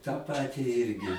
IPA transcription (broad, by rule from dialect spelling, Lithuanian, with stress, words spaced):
tɑː ˈpɑːtʲɪ ˈɪrʲɡʲɪ